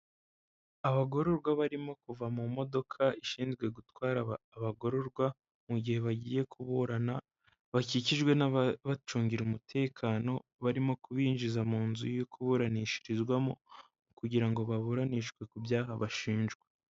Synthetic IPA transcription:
aβaɡo̞ɾo̞ɾɡwaβaɾimo̞kuvamumo̞do̞kʰaiʃiːnzɡwe̞ɡutwaːɾaβaːβaɡo̞ɾo̞ɾɡwa | muɟihe̞βaɟiːje̞kuβuɾana | βaciciʒɡwe̞naβat͡ʃuːŋɟiɾumutʰe̞ːkʰaːno̞βaɾimo̞kuβiːnʒizamuːnzujokʰuβuɾaniʃiɾizɡwamo̰ | kuɟiɾaŋɡo̞βaβuɾaniʃɡwe̞kubjaːɦaβaʃiːnʒɡwe

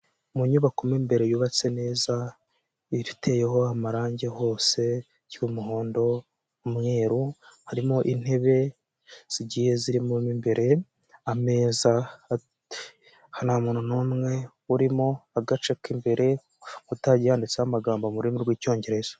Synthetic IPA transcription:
muɲuβakumimbe̞ɾe̞juβat͡se̞ne̞ːza | iɾitʰe̞jeɦo̞amaɾaːɲɟe̞ho̞ːse̞ | jwumuɦo̞ːndo̞ː | mŋe̞ːɾuhaɾimo̞ʔin̥he̞βe̞ | z̥iɟiːje̞ziɾimumimbe̞ɾe̞ | ame̞ːza | hanamuːnunumŋe̞ | uɾimo̞aɡat͡ʃekimbe̞ɾe̞ | kutaɟijaːndit͡sehamaɡaːmbamuɾimuɾɡwiːco̞ːɲɟe̞ɾe̞z̥ḁ

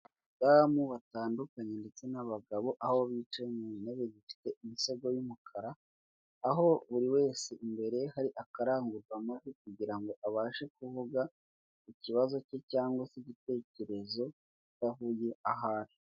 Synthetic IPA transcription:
damuβataːndukaɲe̞nde̞t͡se̞naβaɡaβo̞ʔahoβiːt͡ʃemuneβeɟifi̥te̞imise̞ɡo̞jumukʰaɾaː | ɦo̞βuɾiwe̞ːse̞ʔimbe̞ɾe̞haɾiʔakaɾaːŋɡuɾɡwamazek̚uɟiɾaŋɡo̞ʔaβaːʃe̞kuvuɡa | iciβazo̞cecaːŋɡwasiɟite̞ce̞ɾe̞zo̞ | itaɦujeaɦaːn̥ho̥

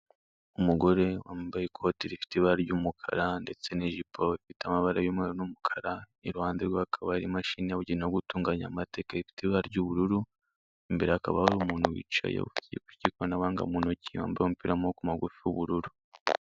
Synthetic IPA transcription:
umuɡo̞ɾe̞waːmbajekʰo̞tiɾifi̥tiβaɾɟumukʰa̰ɾande̞t͡se̞niʒipʰoifiteamaβaɾajoːmŋeɾonumukʰḁɾa | iɾuhaːnziɾɡwaakʰaβaɾimaʃiniaβuɟinoɡutuːŋɡaɲa̰mate̞ːkaifi̥tiβaɾɟuβuɾuɾu | imbeɾeakaβahaɾumuːnhuwḭːt͡ʃa̰jḛβṵfi̥tijḛkwicikonaβaːŋɡa̰muːnociwa̰ːmbajomupiɾamokumaɡufiuβuɾuɾu

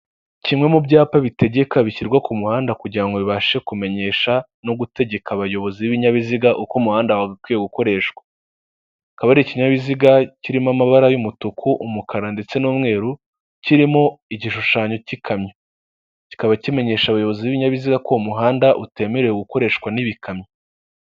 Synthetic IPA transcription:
cimŋe̞mubɟaːpaβite̞ɟe̞kaβiciɾɡwakumuhaːndakuɟiɾaŋɡo̞βiβaʃe̞kume̞ɲe̞ʃa | no̞ɡute̞ɟe̞kaβajo̞βo̞ziwiβiɲaβiziɡaʔukomuhaːndawaɡakwiːjeɡuko̞ɾe̞ːʃwḁ | kaβaɾiciɲaβiziɡaciɾimamaβaɾajumutukʰuʔumukʰaɾande̞t͡se̞nuːmŋe̞ːɾu | ciɾimoiɟiʃuʃaːɲo̞cikʰamɲo | ci̥kaβacime̞ɲe̞ːʃaβajo̞βo̞ziβiβiɲaβiziɡako̞umuɦaːndaʔute̞ːmeɾejoɡuko̞ɾe̞ːʃkwaniβikʰamɲo

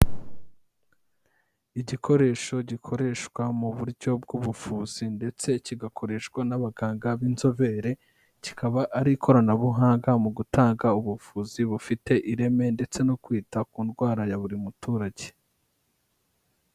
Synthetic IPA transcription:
iɟikʰo̞ɾe̞ːʃo̞ɟikʰo̞ɾe̞ːʃkwamuβuɾɟo̞b̚ɡuβufuːz̥inde̞t͡se̞ciɡakʰo̞ɾe̞ʃkwanaβaɡaːŋɡaβinzo̞ve̞ɾe̞ | cikaβaʔːɾikʰo̞ɾanaβuɦaːŋɡamuɡutaːŋɡauβufuːziβufite̞ʔiɾe̞me̞nde̞t͡se̞no̞kwiːtakuːnɡwaːɾajaβuɾimutuːɾaɟe̞

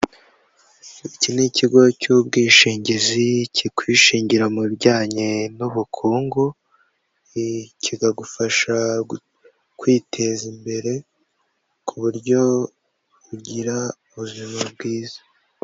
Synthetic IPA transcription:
iciniciɡo̞cubɡiːʃiːɲɟizicʰikwiːʃiːɲɟiɾamubɟaːɲenuβukʰuːŋɡu | ciɡaɡufaʃa | kwiːtʰe̞zimbe̞ɾe̞ | kʰuβuɾɟo̞ | βuɟiɾauβuzimabɡiːzḁ

